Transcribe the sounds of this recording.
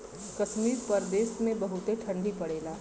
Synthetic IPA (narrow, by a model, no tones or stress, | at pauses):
kɐʃmiːɾpɐɾd̪eːsmẽbɐɦʊt̪eʈʰɐ̃ɳɖʱipɐɽeːlaː